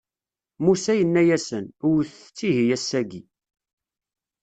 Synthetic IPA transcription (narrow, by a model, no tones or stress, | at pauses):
musæjənːæjæsənʊwθt͡sːiɦijæsːæɡi